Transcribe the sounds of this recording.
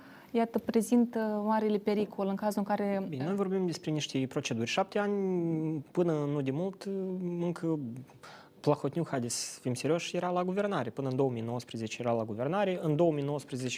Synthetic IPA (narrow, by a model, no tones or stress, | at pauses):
jat̪əpɾe̞zint̪əmaɾilepe̞ɾikolɨŋkazuɨŋkaɾe̞binʲeno̞jvo̞rbimd̪e̞spɾe̞niʃt̪epɾo̞t͡ʃe̞d̪urʲʃap̚t̪eanʲ | pɨnənud̪emult̪ɨŋkʰə | plaxo̞t̪nʲukxad̪esfimsʲeɾʲio̞ʃjeɾalaɡuve̞rnaɾʲepɨnəɨnd̪o̞əmijno̞wəspɾezet͡ʃejeɾalaɡuve̞rnaɾʲeʔɨnd̪o̞wəmijnowəspɾezet͡ʃe